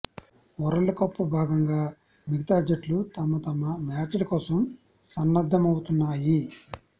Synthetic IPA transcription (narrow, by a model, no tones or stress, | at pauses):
ɔɾɐɭukɐpːubʱaːɡɐŋɡaː | miɡɐt̪aːd͡ʒɐʈlut̪ɐmut̪ɐmɐmaːɾt͡ʃɐlɐkɔːsɐm | sɐnːɐd̪ʱːɐmɐwut̪unːaːji